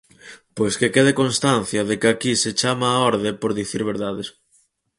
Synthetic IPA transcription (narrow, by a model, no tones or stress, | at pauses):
pojskekeðekonst̪an̟θjɐðekɪakiset͡ʃamaːɔɾðepoɾðiθiɾβeɾðaðes